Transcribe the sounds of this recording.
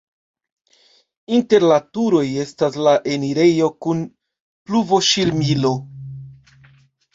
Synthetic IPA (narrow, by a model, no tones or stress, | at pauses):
inte̞ɾlatuɾo̞je̞staslaʔe̞niɾe̞jo̞kun | pluvo̞ʃiɾmilo̞